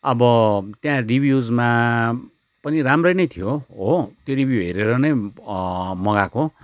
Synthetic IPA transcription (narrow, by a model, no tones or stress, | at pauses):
ʌbʌt̪jãribʱjud͡zma | pʌniɾamrʌjnʌjt̪ʰijoɦot̪joɾibjuɦeɾeɾʌnʌj | mʌɡako